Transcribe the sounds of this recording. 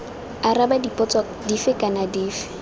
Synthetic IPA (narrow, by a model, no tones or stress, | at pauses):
arabadipʼɔt͡sʼɔ | difɪkʼanadiːfɪ̥